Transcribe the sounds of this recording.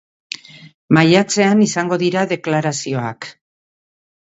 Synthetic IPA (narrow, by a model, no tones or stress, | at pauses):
majat͡se̞anisaŋɡo̞ðiɾaðe̞klaɾasio̞a̰k